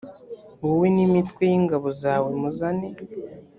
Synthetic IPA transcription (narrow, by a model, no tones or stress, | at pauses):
ɡuwinimitwejiŋɡaβozaːwe̞muzane